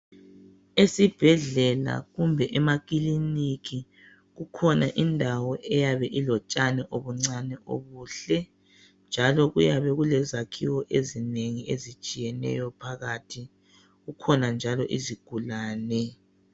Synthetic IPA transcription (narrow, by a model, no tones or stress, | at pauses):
esib̥ʱɛɮɛla̰ɣumbʱɛʔɛmak̬ʼilinikʰi | ɣukʰɔnaʔindʱawɔʔɛjaβɛʔilɔt͡ʃʼanɛʔoβuŋ͡ǀanɛʔo̰βuːɬɛ | nd͡ʒʱalɔɣujaβɛɣulɛzakʰiwɔʔezineŋiezit͡ʃʼijɛnɛ̰jɔpʰaɣatʰi | ɣukʰɔnand͡ʒʱalɔʔiziɡ̥ʱulaːnɛ